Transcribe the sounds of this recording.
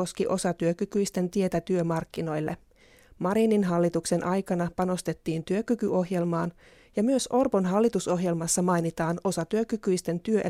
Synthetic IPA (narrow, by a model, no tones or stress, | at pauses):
o̞skiʔo̞sɑt̪yøkykyist̪e̞nt̪ie̞t̪æt̪yømɑrkːino̞jlːḛ | mɑɾininɦɑlːit̪ukse̞nʔɑjkɑnɑpɑno̞st̪e̞t̪ːiːnt̪yøkykyʔo̞ɦje̞lmɑːn | jɑmyøsʔo̞rpo̞nɦɑlːit̪uso̞ɦje̞lmɑsːɑmɑjnit̪ɑːno̞sɑt̪yøkykyjst̪e̞nt̪yøʔe